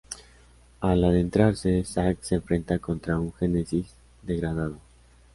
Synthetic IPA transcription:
alaðe̞nt̪ɾaɾse̞sakse̞ːɱfɾe̞nt̪ako̞nt̪ɾauŋxe̞ne̞sis | d̪e̞ɣɾað̞að̞o̞

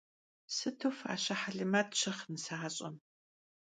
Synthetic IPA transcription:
sɨtʰofa̰ːɕɐħaɮɨmɐtʰʼɕʰɐχnɨsaaɕʼɐm

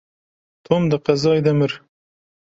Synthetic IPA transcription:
t̪ʰomd̪əqazɑjd̪aməɾ

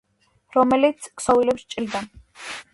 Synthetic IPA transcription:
ɾɔmɛlit̪sʰkʰʼsɔwilɛpst͡ʃʼild̪an

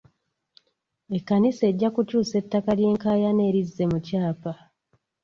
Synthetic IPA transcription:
e̞kːanise̞ɟːakucuːse̞tːakalje̞ːŋkaːjane̞ːɾizːe̞mucaːpa

